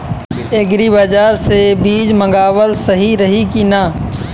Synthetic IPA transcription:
eɡɾibaːd͡ʒaːɾsebiːd͡ʒmə̃ŋɡaːwəlsɐɦiɾɐɦikinaː

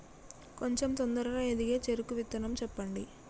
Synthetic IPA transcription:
koɲt͡ʃemt̪ond̪ɐɾɐɾɐːed̪iɡe̞ːt͡ʃeɾukːuʋit̪ːɐnɐmt͡ʃɛpːɐɳɖi

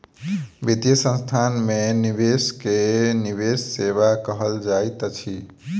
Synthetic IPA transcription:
bid̪jəsə̃nst̪ʰanmenibeskeniβesːeβakəɦəld͡ʒajt̪t͡ʃʰi

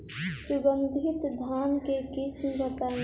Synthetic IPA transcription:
sʊbənd̪ʱit̪d̪ʱaːnkekɪsmbət̪a

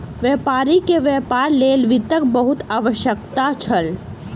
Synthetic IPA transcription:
ʋɛːpaːɾikeʋɛːpaːɾleːlʋit̪ək̚bəɦʊt̪aːʋəʃjəkt̪at͡ʃʰəl

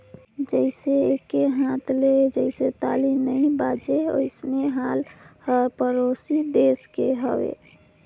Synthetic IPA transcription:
d͡ʒəɪseekeɦãt̪led͡ʒəɪset̪alimnəĩbad͡ʒeo̰ɪsneɦalhəpəɾosid̪eskeɦəʋḛ

